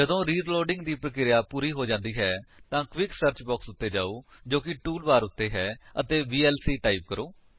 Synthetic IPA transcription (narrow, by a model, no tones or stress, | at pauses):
d͡ʒəd̪õːɾiːɖloːɖɪŋɡd̪iːpɾəkɪɾɪjaːpuːɾiːɦoːd͡ʒãːnd̪iːɦɛːt̪ãːkʋɪksəɾt͡ʃbɔːksʊt̪ːeːd͡ʒaːoːd͡ʒoːkɪʈuːlbaːɾʊt̪ːeːɦɛːət̪eːbiːɛːlsiːʈaːiːp̚kəɾoː